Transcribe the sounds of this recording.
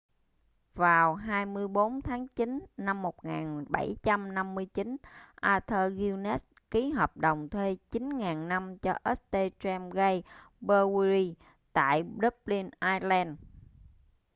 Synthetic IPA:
vaː˨˩wɦaː˧jmɨ˧əjɓo˨˦nt̪ʰaː˨˦ŋt͡ɕi˨˦nːa˧mːo˨˩t̚ŋaː˨˩nɓa˧˩jt͡ɕa˧mna˧mːɨ˧əjt͡ɕi˨˦nʔaː˧t̪ʰəː˧ɣi˧wnɛ˦˥s̚ki˨˦ɦəː˨˩p̚ɗə˨˩wŋ͡mt̪ʰwe˧t͡ɕi˨˦nŋaː˨˩nna˧mt͡ɕɔ˧ʔɛ˦˥s̚t̪e˧t͡ɕɛ˧mɣə˧j | ɓəː˧wɾi˧ | t̪a̰ː˧˨jɗə˦˥p̚li˧nʔaː˧jlɛː˧n

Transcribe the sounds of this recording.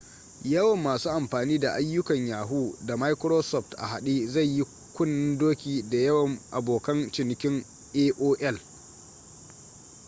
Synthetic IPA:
jɐ˦wɐ˨mːaː˨suː˦ʔa˨mɸaː˨niː˦da˨ʔa˦jːʊ˦kɐ˨ɲjaː˨ɦuː˦da˨ma˦jkɾoː˦sɔ˦˨ɸtʔa̰˨ha˨ɗiː˦za˦˨jji˦ | kʷʊ˦nːɪ˦ndoː˦kʲiː˨da˨jɐ˦wɐ˨ŋʔa̰˨boː˨kɐ˦nt͡ʃɪ˨nɪ˨kʲɪ˦ŋ | ʔeː˦ʔoː˦ʔɛ˦˨l

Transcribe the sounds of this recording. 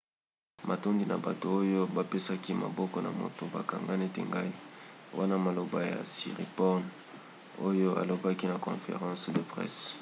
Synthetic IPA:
ma˨to˦ŋɡi˦na̰˨ba˨to˨o˦jo˦ba˨pe˦sa˦ki˦ma̰˨bɔ˦kɔ˦na˨mo̰˨to˨ba˨ka˨ŋɡa˦ne˦tḛ˨ŋɡa˦i˦wa˦na˦ma˨lo˨ba˨ja̰˨sḭ˨ʁḭ˨pɔ˦n | o˦jo˦a̰˨lo˨ba˦ki˦na˨kɔ̰̃˨fḛ˨ʁɑ̃˦sde˨pʁɛ̰˦s

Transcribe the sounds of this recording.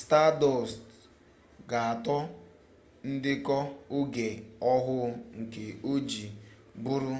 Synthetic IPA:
sta˦dɔ˨st | ɡa˨a˨tɔ˦ | n̩˦dɪ˦kɔ˦ʊ˦ɡe˨ɔ˦ɦʊ˦ŋ̩˨ke˨o˦d͡ʒi˨ | bʊ˦ɾʊ˦

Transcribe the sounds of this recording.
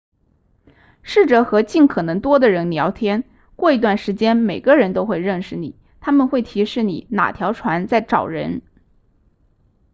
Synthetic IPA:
ʂɻ̩˥˩ʈ͡ʂɤ˧˥xɤ˧˥t͡ɕi˥˩nkʰɤ˨˩nɤ˧˥ŋt̪wɔ˥d̪ə˨ɻə˧˥nljɑ˧˥ʊt̪ʰjɛ˥n | kwɔ˥˩i˧˥t̪wa˥˩nʂɻ̩˧˥t͡ɕjɛ˥nme˨˩ɪɡə˦ɻə˧˥nt̪o˥ʊxwe˥˧ɪɻə˥˩nʂɻ̩˨˩nḭ˨˩˦ | t̪ʰa˥mə˨nxwe˥˩ɪt̪ʰi˧˥ʂɻ̩˥˩nḭ˨˩˦na̰˨˩t̪ʰjɑ˧˥ʊʈ͡ʂʰwa˧˥nt͡sa˥˩ɪʈ͡ʂɑ̰˨˩ʊɻə̰˧˥n

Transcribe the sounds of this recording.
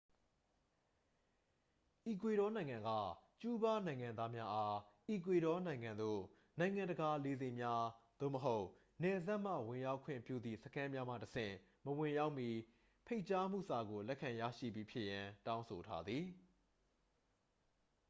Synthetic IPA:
ʔi˨kwe˨ɾɔ˦nã˨ɪ̃ŋã˨ŋɡa̰˦˨t͡ɕu˦ba˦nã˨ɪ̃ŋã˨nd̪a˦mja˦ʔa˦ʔi˨k̬we˨ɾɔ˦nã˨ɪ̃ŋã˨nd̪o̰˦˨ | nã˨ɪ̃ŋã˨ndə˨ɡa˨le˨ze˨mja˦d̪̥o̰˦˨məɦo˦ʊʔ | nɛ˨za˦ʔm̥ä̰˦˨wɪ̃˨ja˦ʊkʰwɪ̰̃˦˨mpjṵ˦˨d̪ðḭ˦˨səkʰã˦mja˦m̥ä̰˦˨təsɪ̰̃˦˨ | məwɪ̃˨ja˦ʊʔmji˦ | pʰe˦ɪʔt͡ɕa˦m̥ṵ˦˨sa˨ɡo˨lɛ˦ʔkʰã˨jä̰˦˨ʃḭ˦˨bji˦pʰjɪ˦ʔjã˨tã˦ʊ̃nsʰo˨tʰa̰˦d̪ði˨

